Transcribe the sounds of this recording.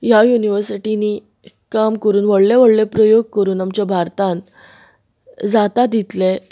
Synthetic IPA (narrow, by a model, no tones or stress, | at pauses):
jajuniʋəɾsiʈiniː | kamkəɾuːnʋəɽleʋəɽlepɾəjoɡ̚kəɾuːnamt͡ɕjabʱaɾt̪ãn | d͡zat̪ad̪it̪le